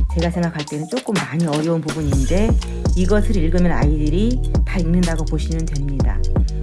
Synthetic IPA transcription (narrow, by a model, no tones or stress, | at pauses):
t͡ɕe̞ɡasʰe̞ŋɡakʰaɭt͈e̞nɯnt͡ɕ͈ok͈ɯmːaɲiʌɾjʌunpubuɲind͡ʑe̞iɡʌsʰɯɾiɭɡɯmjʌna̰idɯɾitaiŋnɯndaɡopoɕʰinɯntwe̞mɲida̰